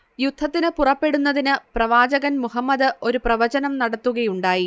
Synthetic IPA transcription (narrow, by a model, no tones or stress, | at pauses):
jud̪̥ʱːɐt̪ːinɨpurɐpːe̞ɽunːɐðinɨprɐʋaːd͡ʑɐɣɐnmuɦɐmːɐðɨo̞ɾuprɐʋɐd͡ʑɐnɐmnɐɽɐt̪ːuɣɐjuɳɖaːji